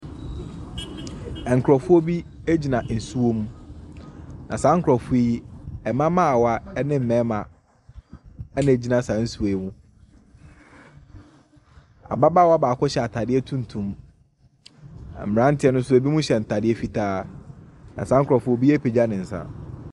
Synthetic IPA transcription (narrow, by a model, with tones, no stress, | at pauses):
ɛ˨ŋ̩˨kʰɾɔ˨fʊ˦o˦bi˦ | e˦d͡ʑi˨nã˨n̩˨su˦o˦mũ˦ | nã˨sã˦ŋ̩˦kʰɾɔ˨fu˦i˦ɛ˨mã˦mã˦a˨wa˦ɛ˦nɪ̃˦m̩˨mɛ̃˨˦mã˨ | ɛ˦nɪ̃˨e˨d͡ʑi˦nã˨sã˨n̩˦su˨e˨˦mũ˦ | a̰˨ba˦baː˦wa˦baː˨kʰɔ˦ɕɛ˨a˨tʰa˨dɪ˦ɛ˦tʰũ˦n˨tʰũ˨m˨ | m̩˨ɾã˦n̩˦tʰɪ˦ɛ˦nʊ̃˦n̩˦su˦e˨bi˦mũ˦ɕɛ˨n̩˨tʰa˨dɪ˦ɛ˦fi˦tʰaː˦ | nã̰˨sã˦ŋ̩˦kʰɾɔ˨fʊ˦o˦bi˦e˦pʰe˨d͡ʑa˦nɪ̃˨n̩˨sa̰˦